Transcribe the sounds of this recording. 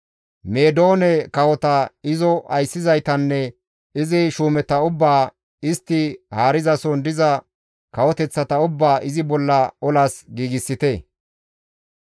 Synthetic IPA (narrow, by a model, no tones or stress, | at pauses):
me̞ːd̪o̞ːnɛkɐwɔt̪ɐɪzɔʔɐjsːɪzɐjt̪ɐnːɛ | ɪzɪʃuːmɛt̪ɐʊbːaː | ɪst̪ːɪhaːɾɪzɐsɔnd̪ɪzɐ | kɐwɔt̪ɛt͡sːɐt̪ɐʊbːaːʔɪzɪbɔlːɐɔlɐsɡiːɡɪsːɪt̪ɛ